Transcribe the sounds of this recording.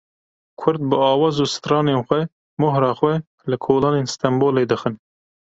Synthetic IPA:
kʰʊɾd̪̚bɨɑːwɑːzuːsɨ̥t̪ɾɑːneːnxʷɛ | mʊɦɾɑːxwɛ | lɨkʰoːlɑːneːnst̪ʰɛmboːleːd̪ɨxɨn

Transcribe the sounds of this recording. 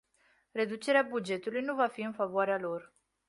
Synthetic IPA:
re̞d̪ut͡ʃe̞ɾeabud͡ʒe̞t̪ulujnuvafiɨnfavoaɾealo̞r

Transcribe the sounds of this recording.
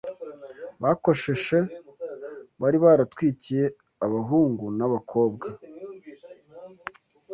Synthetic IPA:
βako̞ʃe̞ʃe̞ | βaɾiβaɾatwiːcije̞ | aβaɦuːŋɡunaβakʰo̞ːb̚ɡa

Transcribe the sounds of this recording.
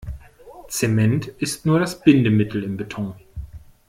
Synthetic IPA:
t͡semɛntʔɪstnuːɐɾasb̥ɪndəmɪtʰl̩ɪmbetʰɔ̃ŋ

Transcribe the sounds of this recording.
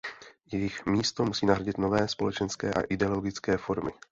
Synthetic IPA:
jɛjɪxmiːst̪o̞musiːnaɦɾaɟɪt̪novɛːspo̞lɛt͡ʃɛnskɛːʔa̰ʔɪdɛoloɡɪt͡skɛːfo̞ɾmɪ̰

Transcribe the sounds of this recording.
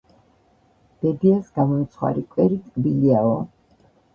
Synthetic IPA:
b̥ɛd̪iasɡamɔt̪sʰχwa̰ɾikʼwɛɾit̪ʼkʼbiliaɔ

